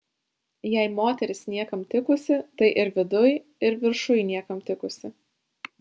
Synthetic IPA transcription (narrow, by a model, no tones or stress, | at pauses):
jɛɪmoːt̪ʲɛɾʲɪsnʲiɛkɐmt̪ʲɪkʊsʲɪt̪ɐɪʔɪɾʋʲɪd̪ʊj | ɪɾʋʲɪɾʃʊjnʲiɛkɐmt̪ʲɪkʊsʲɪ